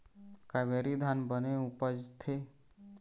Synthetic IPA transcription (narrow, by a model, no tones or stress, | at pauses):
kabeɾid̪ʱanbəneupəd͡ʒt̪ʰe